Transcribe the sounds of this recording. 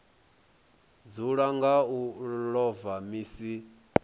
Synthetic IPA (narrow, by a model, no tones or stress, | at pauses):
d͡zuɺaŋɡauɺɔvamiːsi